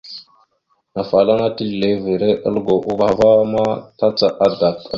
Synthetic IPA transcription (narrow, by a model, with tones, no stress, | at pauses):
na˨fa˨la˦ŋa˦ti˦lle˦vi˨ɾe˦ʔə̰˦lɡo˨ʔu˦ba˨va˦ma˦ta˦t͡sa˨ʔa˦da˨k